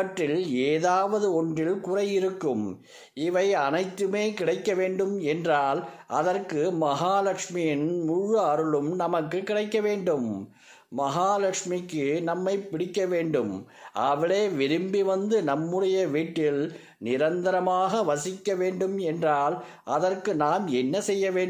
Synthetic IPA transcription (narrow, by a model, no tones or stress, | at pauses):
ɐʈːɪleːðaːʋɐðɯɔɳdrɪlkʊrɐjɪɾɯkːɯm | ɪʋɐɪɐnɐɪt̪ːɯmeːkɪɽɐɪkːɐʋeːɳɖɯmɛndraːlʔɐðɐrkɯmɐɦaːlɐkʂmɪjɪnmʊɻɯɐɾɯɭɯmnɐmɐkːɯkːɪɽɐɪkːɐʋeːɳɖɯmː | ɐɦaːlɐkʂmɪkːɯnɐmːɐɪpːɪɽɪkːɐʋeːɳɖɯmɐʋɐɭeːʋɪɾɯmbiʋɐnd̪ɯnɐmːɯɽɐjɐʋiːʈːɪl | nɪɾɐnd̪ɐɾɐmaːɣɐʋɐsɪkːɐʋeːɳɖɯmɛndraːl | ʔɐðɐrkɯnaːmɛnːɐsɛjːɐʋeːɳ